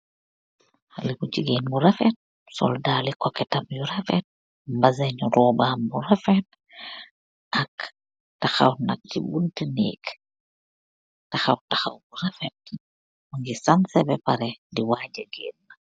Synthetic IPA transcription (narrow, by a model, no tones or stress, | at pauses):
libuciɡeːnmuɾɐfɛt̚ | sɔ̰ldaːlikɔkɛtɐmjuɾɐfɛt̚ | mbɐzɛɲuɾɔːbaːmburafɛt̚ | ʔɐk | taxa̰wnɐ̰k̚cibuntənḛːk | taxɐwtaxa̰wbuɾɐfɛt̚ | muŋɡisɐnsɛbɛpaɾɛdiwaːɟɐɡeːnna